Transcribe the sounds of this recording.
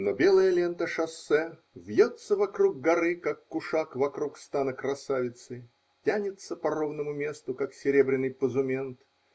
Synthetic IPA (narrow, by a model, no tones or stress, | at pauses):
nobʲe̞lˠəjəlʲe̞nt̪əʂɐsːɛ | vʲjot̪səvɐkɾuɡ̚ɡɐɾɨkakːʊʂakvɐkɾukst̪anəkɾɐsavʲɪt̪sɨ | tʲanʲɪt̪səpɐɾovnəmʊmʲe̞st̪ʊkaksʲɪɾʲe̞bɾʲɪnːɨjpəzʊmʲe̞nt̪